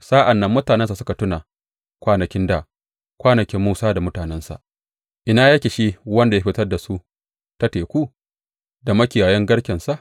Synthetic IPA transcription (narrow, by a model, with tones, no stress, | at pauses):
saː˦ʔa˨nːɐ˦mːʊ˦taː˨nɛ˦nsa˨sʊ˦ka˨tʊ˦na˨ | kʷaː˦nɐ˨kʲɪ˦nda˨ | kʷaː˦nɐ˨kʲɪ˦mːuː˦saː˦da˨mʊ˦taː˨nɛ˦nsa̰˨ʔ | ʔɪ˦naː˦jɐ˦kʲe˨ʃi˦wɐ˦nda˨ja˦ɸɪ˦tɐ˦rda˨su˦ | ta˦teː˨kʷu˦ | da˨mɐ˦kʲi˨jaː˨jɐ˦ŋɡɐ˦ɽkʲɛ˨nsa˦˨ʔ